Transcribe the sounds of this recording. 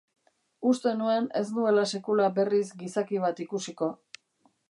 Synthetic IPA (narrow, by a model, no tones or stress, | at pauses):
ust̪e̞nue̞ne̞s̬nue̞lase̞kulabe̞rizɡisakiβ̞at̪ikusiko̞